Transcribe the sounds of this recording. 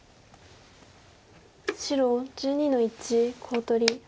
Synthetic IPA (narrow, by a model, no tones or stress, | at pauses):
ɕiɾod͡ʑɨːɲ̟ino̞it͡ɕikʰoːt̪o̞ɾʲi